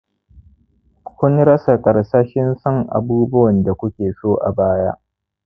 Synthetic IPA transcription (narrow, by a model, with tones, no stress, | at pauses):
kʷʊ˦nɽɐ˦sa˨kʼɐ˨ɽsaː˦ʃɪ˦nsɐ˦˨ŋʔa̰˨buː˦bʊ˦wɐ˨nda˨kʷʊ˦kʲeː˨soː˦ʔa̰˨baː˦ja˦ʔ